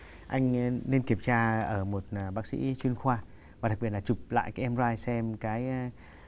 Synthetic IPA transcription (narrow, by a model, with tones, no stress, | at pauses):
ʔa˧jŋ̟ne˧nki˧˩əmt͡ɕaː˧ʔəː˧˩mo˨˩t̚ːɓaː˨˦˥k̚sḭ˧˥t͡ɕwi˧ənxwaː˧ | va˨˩ɗa˨˩k̚ɓi˧˩ət̚laː˨˩t͡ɕu˨˩p̚la̰ː˧˨jkaː˨˦ʔɛ˧mzaː˧jsɛ˧mkaː˨˦j